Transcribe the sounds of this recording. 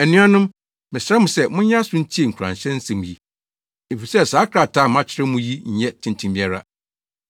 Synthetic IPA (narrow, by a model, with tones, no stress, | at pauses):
æ˨nĩ˦a˦nʊ̃˦m | mɪ̃˨sɾɛ˦mʊ̃˨sɛ˦mʊ̃˦ɲ˦ã˦sʊ̃˦n̩˦t͡ɕʰi˦e˨ŋ̩˨kʰã̰˨nɕɛ̃˦n̩˦sɛ̃˨mũ˨ji˦ | e˨fi˨sɛ˦˨saː˨˦kʰɾa˨tʰa˦˨mã˦t͡ɕʰɪ˦ɾɛ˦mũ˦ji˦ɲ̩˨˦ɲɛ˦tʰɪ̃˨ntʰĩ˦mbĩ˦a˦ɾa̰˦